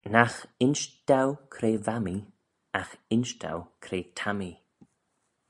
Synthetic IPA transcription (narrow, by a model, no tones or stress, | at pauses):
naxɪnʃd̪̥awkʰɾeːvami | axɪnʃd̪a̰wkʰɾeːt̪ʰami